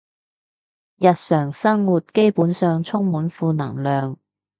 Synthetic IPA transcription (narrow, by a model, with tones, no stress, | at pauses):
jɐ˨t̚sœː˨˩ŋsɐ˥ŋwuː˨t̚ke˥jpuː˨˥nsœː˨ŋt͡sʰʊ˥ŋmuː˨˥nfuː˧nɐ̰˨˩ŋlœː˨ŋ